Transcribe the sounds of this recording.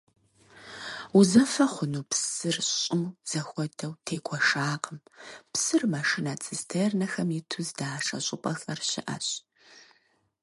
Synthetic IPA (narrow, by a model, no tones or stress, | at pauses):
uzɐfɐχʷʊnuːpsɨrɕɕʼɪmz̥ɐxʷɔdʰɐwtʰeːɡʷʰɔʂaːqəmpsɨrmaʂɪnaːt͡sʼɨstʰernɐxɐmitʰuzdaːʂɐ̰ɕʼɪpʼɐxɐrɕɪ̰ʔɐ̰ɕʼ